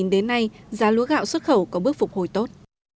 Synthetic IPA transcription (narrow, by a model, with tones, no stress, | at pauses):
nɗe˨˦nːa˧jzaː˨˦lu˨˦əɣa̰ː˧˨wswə˦˥t̚xə˧˩wkɔ˨˦ɓɨ˦˥ək̚fʊ˨˩k͡p̚ho˨˧˩jt̪o˦˥t̚